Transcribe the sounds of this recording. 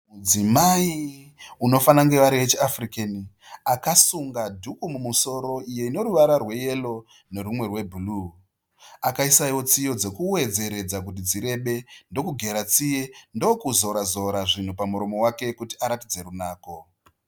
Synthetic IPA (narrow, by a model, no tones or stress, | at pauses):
mud͡zimaiuno̞fanaŋɡe̞ʋaɾiet͡ʃiafrikeni | akasuŋɡadʱukumumuso̞ɾo̞ije̞ino̞ɾuʋaɾarwe̞je̞lo̞ | ne̞ɾumwe̞rwe̞bʱulu | akaisaiwo̞t͡sijo̞d͡ze̞kuwe̞d͡ze̞ɾe̞d͡zakut̬id͡ziɾe̞ɓe̞ndo̞kuɡʱe̞ɾat͡sije̞ndo̞kuzoɾazo̞ɾaʐin̤upamuɾo̞mo̞wake̞kutiaɾatid͡ze̞ɾunaːko̞